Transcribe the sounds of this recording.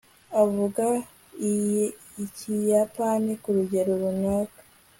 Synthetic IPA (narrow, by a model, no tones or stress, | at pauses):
avuɡa | i | icijapanikuɾuɟe̞ɾoɾunaːkḁ